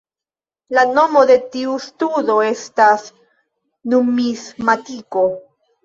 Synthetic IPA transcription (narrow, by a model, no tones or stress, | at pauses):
lano̞mo̞d̪e̞tiustudo̞e̞stas | numismatiko̞